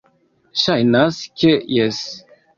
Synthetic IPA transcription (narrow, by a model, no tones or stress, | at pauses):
ʃajnaskʲejɛs